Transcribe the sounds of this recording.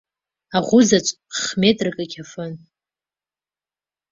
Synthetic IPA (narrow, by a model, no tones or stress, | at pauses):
aʁʷʊzat͡ʃʷʼ | χmʲetʼrɨkʼakʲʰafɨn